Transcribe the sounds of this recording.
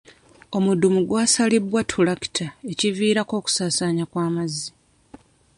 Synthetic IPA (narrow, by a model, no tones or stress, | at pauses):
o̞mudumuɡwaːsalibwatʰulaki̥tʰae̞civiːɾako̞ːku̥saːsaːɲakwaːmazːi